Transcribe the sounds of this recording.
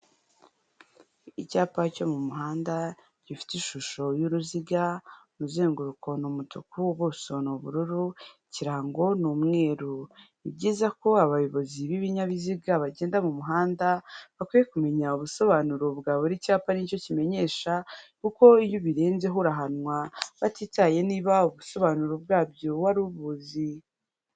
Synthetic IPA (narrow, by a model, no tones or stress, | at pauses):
icaːpaco̞mumuɦaːnda | ɟ̥ifi̥tiʃuʃo̞juɾuziɡanuzeːŋɡuɾukʰo̞numutʰukuβoːso̞nuβṵɾuɾuciɾaːŋɡo̞nuːmŋe̞ːɾo | ibɟiːzako̞aβajoβo̞ziβiβiɲaβiziɡaβaɟe̞ːndamumuɦaːndaβakwije̞kume̞ɲauβuso̞βanuɾobɡaːβoɾicaːpanico̞cime̞ɲe̞ːʃakuko̞ijoβiɾe̞ːnze̞ɦuɾaɦanwaβatiːtaje̞niːβauβuso̞βanuɾobɡaːbjowaɾuβuzi